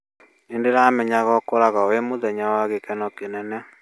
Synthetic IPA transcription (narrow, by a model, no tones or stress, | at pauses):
endeɾamɛɲaɣɔkoɾaɣawemoðɛɲawaɣekɛnɔkenɛnɛ